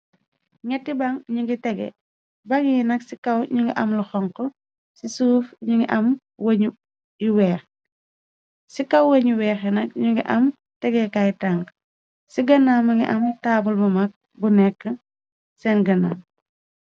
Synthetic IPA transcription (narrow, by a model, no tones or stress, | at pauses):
ŋɛtːibɐŋɲuɡitɛɡɛ̰ | bɐŋjinɐksikɐwɲuŋɡiʔɐmlɐxɔŋkɔ | sisuːfɲuŋiʔɐm | wɐɲu | jiwɛːx | sikɐwwɐɲuwɛːxjinɐk̚ɲuŋɡiʔɐm | tɛɡɛkajtaŋk | siɡɐnːamːɐŋɡḭʔɐmtaːbulbɐmɐk̚ | bunɛkːə | sɛnɡɐna̰ŋ